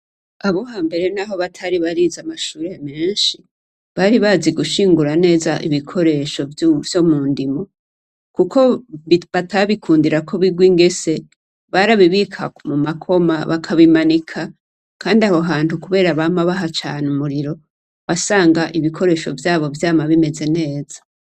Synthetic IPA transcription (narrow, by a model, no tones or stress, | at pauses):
aβo̞haːmbe̞ɾe̞naɦo̞βatʰaɾiβaɾizamaʃuːɾeameːnʃi | βaɾiβaziɡuʃiːŋɡuɾane̞ːzaʔiβikʰo̞ɾe̞ʃo̞vjo̞muːndimo̞ | kukʰo̞βatʰaβikʰuːndiɾakʰo̞βiɡwiŋɡe̞se̞ | βaɾaβiβikʰamumakʰo̞maβakʰaβimanikʰa | kaːndiahoɦaːntukuβe̞ːɾaβamaβaɦat͡ʃaːnumuɾiɾo̞ | βasaːŋɡaʔiβikʰo̞ɾe̞ːʃo̞̰vjaːβo̞vjaːmaβime̞ze̞ne̞ːz̥ḁ